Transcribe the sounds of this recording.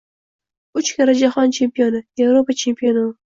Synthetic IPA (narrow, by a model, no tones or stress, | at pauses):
ʊt͡ʃkʲaɾad͡ʒaχɒnt͡ʃʰe̞mpionɪje̞vɾopat͡ʃʰe̞mpʰijo̞nɨ